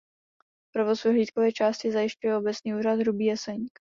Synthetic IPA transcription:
pɾovosvɛɦliːt̪̚kovɛːt͡ʃaːscɪzajɪʃcujɛobɛt͡sɲiːuːɾad̪ɦɾubiːjɛsɛɲik

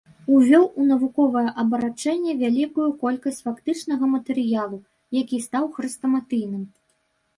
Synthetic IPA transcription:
uvʲɔwunɐvukɔvɐjɛʔɐbɐɾat͡ʂɛnʲːɛvʲalʲikujukɔlʲkɐsʲt͡sʲfakt̪ɨt͡ʂnɐɣɐmɐt̪ɛɾɨjalˠu | jakʲist̪awxɾɨst̪ɐmat̪ɨjnɨm

